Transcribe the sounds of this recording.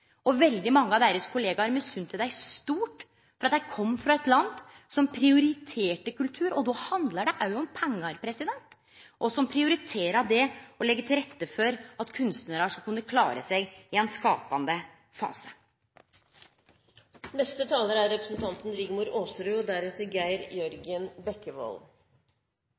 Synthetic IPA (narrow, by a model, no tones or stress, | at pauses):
ɔʋɛld̪ɪmɑŋːəɑʋd̪eːɾəskʰʊleːɡɑɾmɛsʉnt̪ʰɪld̪æɪst̪uːʈ | fɔɾɑt̪jæɪkʰɔmːfɾɑɛt̪lɑnd̪ | sɔmpʰɾɪʊɾɪt̪ʰeːʈəkʉlt̪ʰʉːɾɔd̪ɔhɑnd̪ləɖɛʔɑʉɔmpʰɛŋːɑɾpʰɾɛsɪd̪ɛnt̪ | ʔɔsɔmpʰɾɪʊɾɪt̪ʰeːɾəɑd̪ɛɔlɛɡːəʈ̪ʰɪlɾɛt̪ːəfɔɾɑt̪kʰʉnst̪nəɾɑʂɑkʉnːəkʰlɑːɾə̰sɛɡɪɛnskɑ̰ːpɑnd̪ə | fɑ̰ːsə̥ | nɛst̪ət̪ʰɑːləɾæɾɾɛpɾəsnt̪ʰɑnt̪n̩ɾɪɡmuːɾoːsɾʉːɔd̪æɾɛt̪əɾɡæɪɾjœɾɡɪənbɛkːəʋo̰ːl